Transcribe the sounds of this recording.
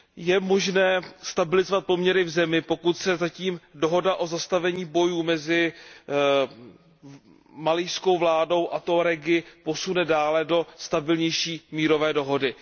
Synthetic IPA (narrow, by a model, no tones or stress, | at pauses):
jɛmo̞ʒnɛːst̪abɪlɪzovat̪̚po̞mɲɛɾɪvzɛmɪpo̞kut̪sɛzaciːmdo̞ɦo̞daʔo̞zast̪avɛɲiːbo̞juːmɛzɪ | malɪjsko̞wvlaːdo̞wʔat̪oɾɛɡɪpo̞sunɛdaːlɛdo̞st̪abɪlɲɛjʃiːmiːɾo̞vɛːdo̞ɦo̞dɪ